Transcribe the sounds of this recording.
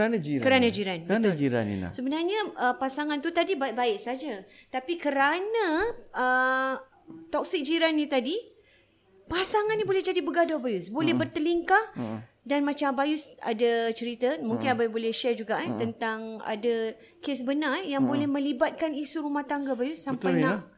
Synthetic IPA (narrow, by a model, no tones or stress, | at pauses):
əɾanad͡ʒiɾkəɾanad͡ʒiɾanbəat̪d͡ʒiɾa̰nḭla̰səbənarɲaəpasaŋant̪ut̪adibabaɪʔsad͡ʒat̪apikəɾanãə | t̪ɔk̚sik̚d͡ʒiɾanːit̪adi | pasaŋanːĩbolɛhd͡ʒadibəɡadɔbajusbolɛhbərt̪əliŋkah | danmãt͡ʃambajusa̰dat͡ʃəɾit̪əmuŋkɪnababolɛhʃɛrd͡ʒuɡaʔt̪ənt̪aŋa̰da | kesbənarjaŋbolɛhmə̃libat̪̚kanisuɾumaht̪aŋɡabajusːampajna